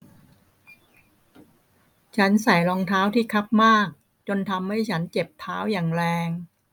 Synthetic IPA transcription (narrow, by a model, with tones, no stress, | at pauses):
t͡ɕʰa˦˥nsa˩˦jlɔː˧ŋt̪ʰaː˦˥wt̪ʰiː˥˩kʰa˦˥p̚maː˥˩k̚ | t͡ɕo˧nt̪ʰa˧mha˥˩jt͡ɕʰa˦˥nt͡ɕe˨˩p̚t̪ʰaː˦˥wjaː˨˩ŋɾɛː˧ŋ